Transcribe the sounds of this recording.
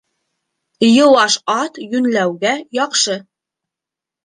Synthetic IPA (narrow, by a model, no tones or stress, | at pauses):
jɤ̆wɑʃɑt̪jɵnlæwɡæjɑqʃɤ